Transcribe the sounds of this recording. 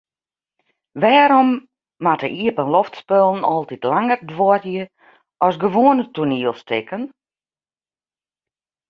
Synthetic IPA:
ʋɛːɾɔmː | atəʔiəpənlɔftspølˠn̩ɔlˠtitlaŋərdʋɔətjə | ɔsɡəʋoənətuniəlˠstɪkən

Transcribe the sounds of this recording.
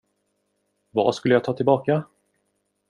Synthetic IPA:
va̰skɵlːəjaɡ̚t̪ʰɑːt̪ʰɪlbɑːka

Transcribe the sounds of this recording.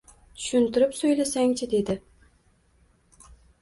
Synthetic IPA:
t̪ʰʊ̥ʃʊnt̪ɪɾɪpsojlasaŋt͡ʃʰɪd̪e̞d̪ɪ

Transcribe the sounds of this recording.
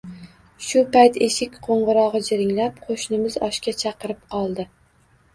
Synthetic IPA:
ʃʊpajt̪ʰeʃɪkʲqʰoɴʁɨɾɒʁɨd͡ʒɪɾɪŋlapqʰoʃnɪmɪzɒʃkʲat͡ʃʰɑqɨɾɪp̚qʰɒlˠd̪ɪ

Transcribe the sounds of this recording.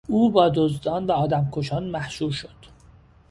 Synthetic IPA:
uːbɒːd̪ozd̪ɒːnvæɒːd̪æmkʰoʃɒːnmæhʃuːɾʃod̪̥

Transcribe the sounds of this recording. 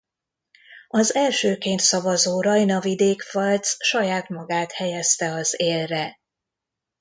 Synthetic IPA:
ɒzɛlʃøːkeːnt̪sɒvɒzoːɾɒjnɒvid̪eːkfɒlt̪sʃɒjaːt̪mɒɡaːt̪hɛjɛst̪ɛɒzeːlrɛ

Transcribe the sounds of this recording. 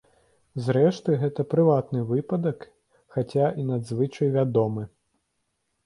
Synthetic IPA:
zɾɛʂt̪ɨɣɛt̪ɐpɾɨvat̪nɨvɨpɐd̪ɐk | xat͡sʲaʔinɐd̪zvɨt͡ʂɐjvʲad̪ɔmɨ

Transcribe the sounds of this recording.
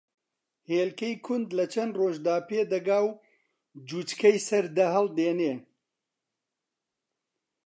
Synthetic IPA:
heːlkejkʰʊnd̪lɐt͡ʃʰɐnroːʒd̪aːpeːd̪ɐɡaːw | d͡ʒuːt͡ʃkɐjsɐɾd̪ɐɦɐld̪eːneː

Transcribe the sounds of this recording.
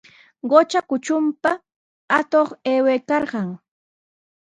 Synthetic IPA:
ɢot͡ʃakʊt͡ʃʊmpa | at̪oχeːweːkɑɾɢɑŋ

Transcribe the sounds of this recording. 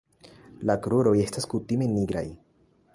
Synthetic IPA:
lakɾuɾo̞je̞staskutime̞niɡɾa̰j

